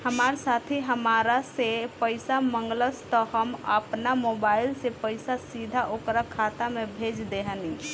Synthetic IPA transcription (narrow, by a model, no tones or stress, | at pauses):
həmaɾsat̪ʰiɦəmaɾasepəɪsaməŋɡləst̪ɔɦəmə̰pnamobailsepəɪsasid̪ʱaʔokɾakʰːat̪amebʱed͡ʒd̪eɦəni